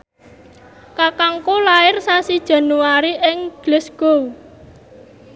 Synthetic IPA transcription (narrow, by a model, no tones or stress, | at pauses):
kakaŋkolaɪrsasid̥ʒ̥a̤nuaɾiʔɪŋɡ̥lɛsɡ̥o